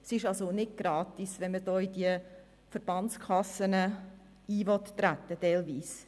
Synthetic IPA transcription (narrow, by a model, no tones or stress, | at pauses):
sɪʃɑlsonɪd̚ɡ̥ɾɑːt̪isʋɛnmədoːidiə | fəɾb̥ɑnt͡skʰɑsənə | iːʋɔt̪ːɾæt̪ːətɛlʋiːs